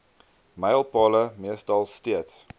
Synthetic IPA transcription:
məjəlˠpɑːləmiəstɐlˠstiəts

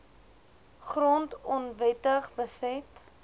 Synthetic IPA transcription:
χrɔntɔnvɛtəχbəsɛt

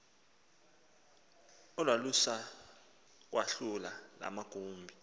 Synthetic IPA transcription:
ɔlwalusa | k̬waɬulala̰maɡ̥ʱuːmbʱi

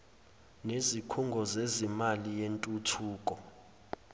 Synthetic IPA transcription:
nezikʰuŋɡʱɔzezimalijentʼutʰuːkʼɔ

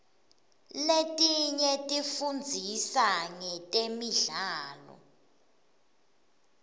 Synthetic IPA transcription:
letʼiɲɛtʼifund͡zʱisaŋɛtʼemiɮaːlɔ̰

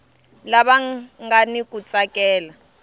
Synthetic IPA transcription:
laɓaŋɡanikʼut͡sʼakʼɛːla

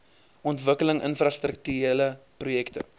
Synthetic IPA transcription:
ʔɔntvəkələŋʔənfrast̪ɾək̚tyeləprujɛktə̰

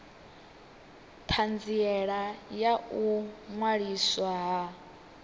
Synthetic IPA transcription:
pʰand͡ziɛɺajaʔuŋwaɺiswaɦa

